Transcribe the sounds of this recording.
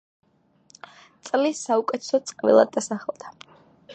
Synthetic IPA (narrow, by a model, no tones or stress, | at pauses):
t̪sʼlisaukʼɛt̪ʰɛ̥sɔt̪sʼqʼvḭlˠa̰d̪ːasaχɛlˠd̪̥a